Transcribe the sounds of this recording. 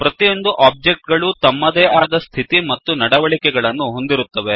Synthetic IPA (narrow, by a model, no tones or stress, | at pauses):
pɾɐt̪ijo̞nd̪uʔaːb̚d͡ʒe̞k̚ʈ̚ɡɐɭut̪ɐmːɐd̪eːʔaːd̪ɐst̪ʰit̪imɐt̪ːunɐɽɐʋɐɭikɛɡɐɭɐnːuɦo̞nd̪iɾut̪ːɐʋe